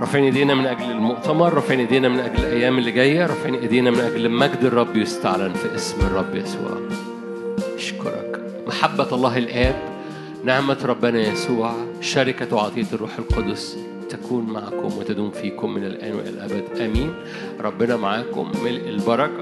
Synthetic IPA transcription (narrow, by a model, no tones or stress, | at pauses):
ɾˤɑfeʕniʔed̪iːnæmenʔæɡlelmoʔt̪æmɑɾˤːɑfeʕniʔed̪iːnæmenʔæɡlelʔæjːæːmelːeɡæjːæɾˤɑfeʕniʔed̪iːnæmenʔæɡlmæɡd̪erˤːɑbːjest̪aʕlænfiʔesmerˤːɑbːjæsṵːʕ | ʔɑʃko̰ɾˤɑ̰k | maħabːæɑlˤːɑːɦelʔæːb | nahmæt̪ɾˤɑbːenæjæsuːʕ | ʃæɾɪkæwʕɑ̰ːt̪ˤejːɑt̪rˤːuːħelqod̪os | t̪ækuːnmaʕkomwet̪æd̪uːmfiːkomːenelʔæ̰ːnwḛʔæ̰lʔæ̰bæd̪ʔæmiːn | ɾˤɑbːenɑmaʕaːko̰mːelʔelbɑɾˤɑk